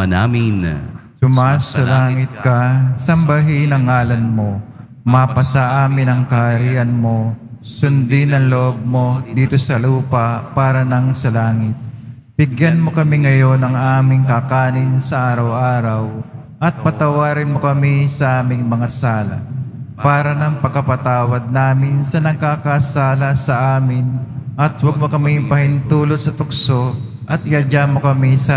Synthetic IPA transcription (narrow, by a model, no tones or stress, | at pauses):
ɐnamɪnsʊmasɐlaːŋɪt̪̚kɐsɐmbɐɦinɐŋːaːlɐnmo̞ | mapɐsɐʔaːmɪnɐŋkɐhɐɾiːʔɐnmo̞sʊnd̪ɪnɐŋloʔob̚mo̞d̪iːt̪o̞sɐluːpɐpaːɾɐnɐŋsɐlaːŋɪt̪̚ | b̥ɪɡjɐnmo̞kɐmiŋɐjo̞nɐŋʔaːmɪŋkɐkaːnɪnsɐʔaːɾɐwʔaːɾɐw | ʔɐt̪̚pɐt̪ɐwaːɾɪnmo̞kɐmisɐʔaːmɪŋmɐŋasaːlɐ̰paːɾɐnɐŋpɐɡkːɐpɐt̪aːwɐd̪̚naːmɪnsɐnɐɡ̚kakasaːlɐsɐʔaːmɪnʔɐt̪wɐɡ̚mokɐmɪpɐhɪnt̪uːlot̪sɐt̪ʊk̚so̞ | ʔɐt̪̚ɪjɐd͡ʒamo̞kɐmisɐ